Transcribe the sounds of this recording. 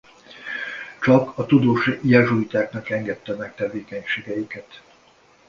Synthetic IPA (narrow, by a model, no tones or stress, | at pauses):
t͡ʃɒkɒt̪ud̪oːʃjɛʒuit̪aːknɒkɛŋɡɛt̪ːɛmɛkt̪ɛveːkɛɲʃeːɡɛjikɛt̪